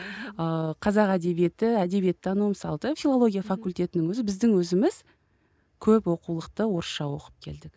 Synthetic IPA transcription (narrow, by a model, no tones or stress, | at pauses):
əqʰɑzɑqæd̪e̞bije̞t̪ɪæd̪e̞bije̞t̪ːɑnumsɑlˠt̪əfʲilˠo̞lˠo̞ɡʲijafɑkulʲt̪ʲe̞t̪ɪnɪŋwɵzɪbɪzd̪ɪŋwɵzɪmɪz̥ | kʲʰɵpwo̞qulˠəqt̪əwo̞ɾʃɑwo̞qəp̚kʲʰe̞̰ld̪ɪk